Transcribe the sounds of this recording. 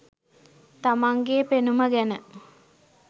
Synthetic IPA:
t̪amaŋɡeːpenuməɡænə

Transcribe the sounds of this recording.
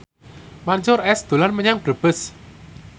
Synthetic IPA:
maɲt͡ʃʊɾɛsd̪̥ṳlanməɲaŋb̥ɾəb̥ə̤s

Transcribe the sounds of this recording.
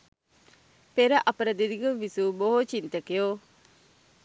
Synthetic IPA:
peɾɐʔɐpɐɾɐd̪id̪iɡɐʋisuboɦot͡ʃint̪ɐkejo

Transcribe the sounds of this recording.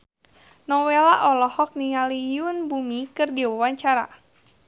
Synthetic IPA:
nɔwelaʔɔlɔhɔk̚niŋalijunbumikɨrdiwawaɲt͡ʃaɾa̰

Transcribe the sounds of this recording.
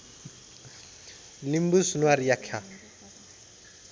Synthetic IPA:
limbusunuaɾijakʰa

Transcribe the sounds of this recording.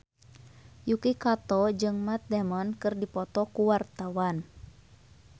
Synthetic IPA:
jukikat̪ɔd͡ʒɨŋmat̪̚dɛmɔnkɨrdipɔt̪ɔkuwart̪awan

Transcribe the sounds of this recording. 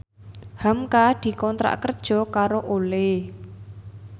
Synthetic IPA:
hamkad̪̥i̤kɔnt̪ɾa̰ʔkərd̥ʒ̥ɔ̤kaɾoʔole

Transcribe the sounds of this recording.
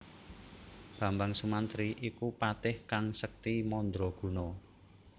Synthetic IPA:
b̥ä̤mbaŋsumant̪ɾiʔikupat̪ɪhkaŋsək̚t̪imɔnd̪ɾɔɡ̥ṳnɔ

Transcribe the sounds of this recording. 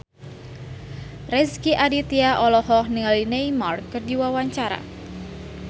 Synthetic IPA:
rɛskiʔadit̪iaʔɔlɔhɔhniŋalineimarkːərdiwawaɲt͡ʃaɾa̰

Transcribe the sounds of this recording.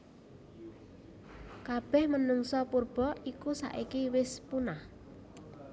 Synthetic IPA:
kab̥ɛhmənuŋsɔpurb̥ɔʔikusa̰ʔikiwɪspunah

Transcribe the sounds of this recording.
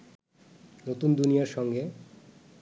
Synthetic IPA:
not̪und̪unijaɾʃɔŋɡe

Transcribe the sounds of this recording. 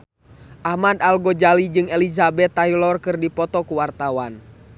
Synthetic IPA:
ʔahmad̪alɡɔd͡ʒalid͡ʒɨŋɛlizabɛt̪ːailɔrkɨrdipɔt̪ɔkuwart̪awan

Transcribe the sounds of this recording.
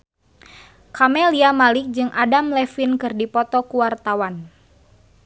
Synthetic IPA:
kamɛliamalɪk̚d͡ʒɨŋʔadamlɛfinkɨrdipɔt̪ɔkuwart̪awan

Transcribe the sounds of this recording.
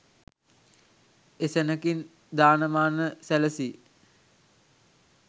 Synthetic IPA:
esenəkin | d̪aːnəmaːnəsæləsi

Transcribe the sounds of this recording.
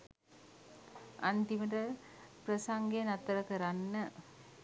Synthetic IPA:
and̪iməʈə | prəsaŋɡejnat̪ːəɾəkəɾanːə

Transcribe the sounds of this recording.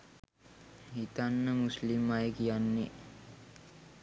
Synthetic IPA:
hit̪anːəmuslimːajəkijanːe

